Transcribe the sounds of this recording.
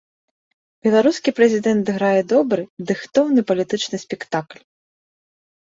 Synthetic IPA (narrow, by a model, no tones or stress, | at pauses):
bʲɛlˠaɾuskʲipɾɛzʲid̪ɛnt̪ɨɣɾajɛd̪ɔbɾɨd̪ɨxt̪ɔwnɨpɐlʲit̪ɨt͡ʂnɨsʲpʲɛkt̪aklʲ